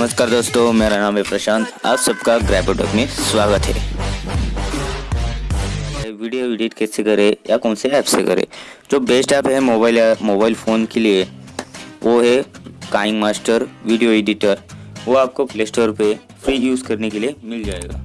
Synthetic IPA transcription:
nɐməskaːɾd̪oːst̪omeɾanãːmɦɛpɾɐʃãːnt̪a̰ːbsɐbkaɡɾɛbeʈəkmẽsʋaːɡət̪ɦɛ̰ | ɦɛʋiɖijoɪɖiʈkɛsekɐɾẽjakɔ̃ːnseɛːpsekɐ̰ɾḛ̃ | d͡ʒoːbeːsʈɛːpɦɛmobaːɪlmoːbaːɪlfʰoːnkelie | ʋʔoɦɛkaːɪ̃ŋɡmaːsʈəɾʋiɖijoeɖiʈəɾʋoaːp̚koklesʈəɾpe | fʰɾiːjuːzkɐɾnekeliemɪld͡ʒaːḛːɡa̰ː

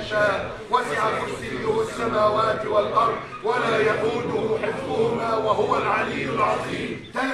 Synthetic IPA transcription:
ʃaːʔ | wasɪʕafʊsɪːʊhasːamaːwaːt̪ɪwalʔɑɾˤd̪ˤ | walaːjaquːnʊhʊħɪfːbʊhʊmaːwaɦʊwalʕɑliːʊlʕɑðˤiːmt̪a

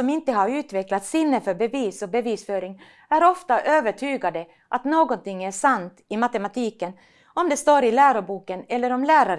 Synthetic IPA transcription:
ɔmɪnt̪əɦaɾʉ̟ːt̪vɛklat̪sɪnːəfœɾbɛviːsɔbɛviːsfœːɾɪŋ | æɾɔft̪aʔøːvəʈʰyːɡad̪ə | ʔat̪noːɡɔnt̪ɪŋːæʂant̪ɪmat̪ɛmat̪ʰiːkən | ɔmd̪ɛst̪oːɾɪlæːɾʊɾbuːkənɛlːəɾɔmlæːɾaɾ

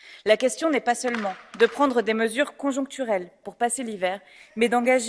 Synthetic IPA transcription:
lakʲɛst̪jɔ̃nɛpasœlmɑ̃d̪əpχɑ̃d̪ʁəd̪eməzyʁkɔ̃ʒɔ̃k̚t̪yʁɛlpuʁpaselivɛːʁ | mɛd̪ɑ̃ɡaʒ

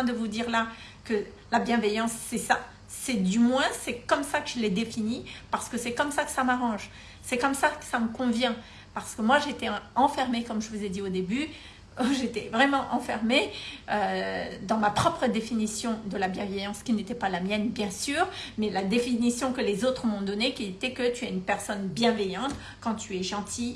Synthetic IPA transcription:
ɛ̃d̪əvud̪iʁla | kə | labjɛ̃vɛjɑ̃sːɛsa | sɛd̪ymwɛ̃sɛkɔmsakəʒəlɛd̪efinipaʁsə̥kəsɛkɔmsakə̥samaʁɑ̃ʒ | sɛkɔmsakə̥saməkɔ̃vjɛ̃ | paʁsə̥kəmwaʒeːt̪ɛɑ̃fɛʁmekɔmʒəvuzɛd̪iod̪eby | ʒet̪ɛvʁɛmɑ̃ʔɑ̃fɛʁmeød̪ɑ̃mapχɔpχəd̪efinisjɔ̃d̪əlabjɛ̃vɛjɑ̃skʲinet̪ɛpalamjɛnbjɛ̃syːʁmɛlad̪efinisjɔ̃kəlezot̪χəmɔ̃d̪ɔnekʲiet̪ɛkət̪yɛynpɛʁsɔnbjɛ̃vɛjɑ̃t̪ | kɑ̃t̪yɛʒɑ̃t̪ʰi

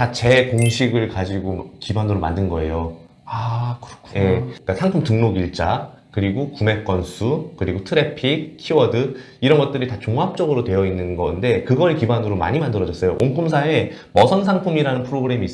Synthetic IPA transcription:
tat͡ɕe̞koŋɕʰiɡɯɭkad͡ʑiɡokibanɯɾoma̰ndɯnɡʌe̞jo | akɯkʰje̞k͈asʰaŋpʰɯmtɯŋnoɡiɭt͡ɕ͈a | kɯɾiɡokume̞k͈wʌnsʰukɯɾiɡotʰɯɾe̞pʰik̚ʰiwʌdɯ | iɾʌnɡʌt͈̚ɯɾitat͡ɕoŋɦap̚t͡ɕ͈ʌɡɯɾotwe̞jʌinːɯnɡʌnde̞kɯɡʌɭekibanɯɾoma̰ɲimandɯɾʌd͡ʑʌs͈ʌjo̰ʔoŋk͈ʰumsʰae̞ | mʌsʰʌnsʰaŋpʰumiɾanɯnpʰɯɾoɡɯɾe̞miːs͈

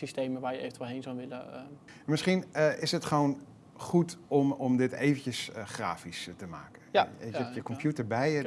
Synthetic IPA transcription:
sisteːməʋaːɹjəeːvəntʋɛlˠɦejnzɔʋɪlə | mɪsχinəɪsətχəʋoːn | χutɔmɔmdɪtḛːvəncjəsχra̰ːfistəma̰ːkəeəjəkɔmpʰjutəɹbɛjə

